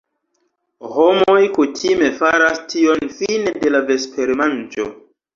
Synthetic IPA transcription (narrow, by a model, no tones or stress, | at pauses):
homo̞jkutʰime̞faɾastʰio̞nfinede̞lave̞spʰe̞ɾmand͡ʒo̞̰